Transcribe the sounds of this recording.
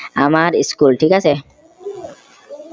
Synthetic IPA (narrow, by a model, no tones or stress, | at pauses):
amaɾiskulʈʰikase